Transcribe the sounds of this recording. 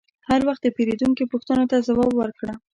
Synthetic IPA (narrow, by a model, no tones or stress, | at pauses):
haɾwaxt̪d̪əpeɾed̪uŋkipʊxt̪ənot̪azawɑbwəɾkɽa